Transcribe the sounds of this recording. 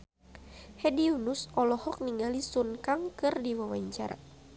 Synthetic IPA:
hɛdiunusɔlɔhɔk̚niŋɡalisunkaŋkɨrdiwawaɲt͡ʃa̰ɾa̰

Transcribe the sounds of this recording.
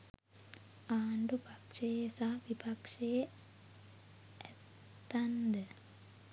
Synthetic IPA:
aːɳɖupakʂejesaʋipakʂeje | æt̪ː | and̪ə

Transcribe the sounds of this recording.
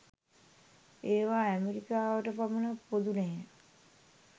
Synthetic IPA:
eːʋaːæmeɾikaːʋəʈəpamunapːod̪uneː

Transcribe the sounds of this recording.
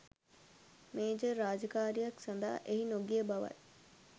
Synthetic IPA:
meːd͡ʒəɾaːd͡ʒəkaːɾijaksand̪a̰ːʔeɦinoɡijəbɐʋa̰t̪̚

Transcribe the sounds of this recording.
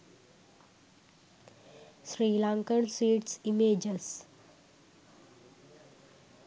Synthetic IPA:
sɾiːlãŋkəɳsʋiːʈsimed͡ʑəs

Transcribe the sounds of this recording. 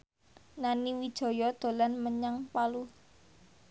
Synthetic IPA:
naniwid̥ʒ̥ɔ̤jɔd̪̥o̤lanməɲaŋpalu

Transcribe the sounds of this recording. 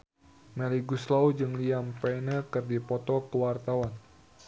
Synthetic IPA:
mɛliɡuslaud͡ʒɨŋliampɛjnəkɨrdipɔt̪ɔkəwart̪awan

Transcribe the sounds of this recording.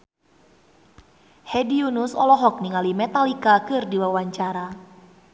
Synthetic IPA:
hɛdiunusɔlɔɦɔk̚niŋalimɛt̪alikakɨrdiwawaɲt͡ʃaɾa

